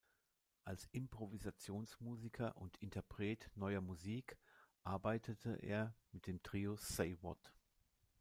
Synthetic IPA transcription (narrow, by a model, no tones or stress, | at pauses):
ʔalsʔɪmpʁ̥ɔvizat͡sjoːnsmuːzikʰɐʔʊntʰɪntʰɐpʁ̥ɛːtnɔʏɐmuziːkʔaɐbaɪtʰətʰə̰ʔḛːɐmɪt̚d̥eːmtʁ̥iːoseɪwɔ̰t